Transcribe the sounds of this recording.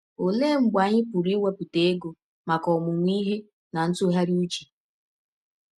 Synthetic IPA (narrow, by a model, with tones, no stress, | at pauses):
o˨le˦ŋ͡m̩˨ɡ͡ba˨ɲɪ˦pʊ˨ɾi˦wʷe˦pu˨te˨e˦ɡo˨ | ma˨kɔ˨mʊ˨ŋʷ˦i˦ɦe˦ | na˨n̩˦tʊ˦ɦa˦ɾi˦u˦t͡ʃi̥˨